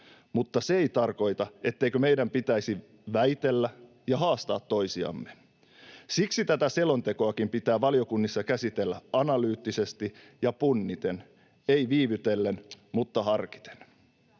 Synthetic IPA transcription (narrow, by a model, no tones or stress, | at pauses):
mut̪ːɑseeit̪ɑrko̞jt̪ɑʔe̞t̪ːe̞jkøme̞jdæmpit̪æisi | ʋæjt̪e̞lːæ | jɑɦɑːst̪ɑ̰ːt̪ːo̞isiɑ̰mːe | siksit̪æt̪æse̞lo̞nt̪e̞ko̞ɑkimpit̪æːʋɑlio̞kunːisːɑkæsit̪elːæɑnɑlyːt̪ːise̞st̪i | jɑpunːit̪en | eiʋiːʋyt̪e̞lːenmut̪ːɑhɑrki̥t̪e̥n